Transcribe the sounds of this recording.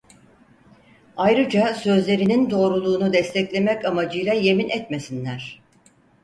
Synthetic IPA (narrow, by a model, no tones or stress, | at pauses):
ajɾɯd͡ʒasø̞zlʲe̞ɾinind̪o̞ːɾulˠuːnud̪ɛst̪ʰɛclʲe̞mɛcamad͡ʒɯjlˠaje̞minʔɛt̪me̞sinlʲæɾ̥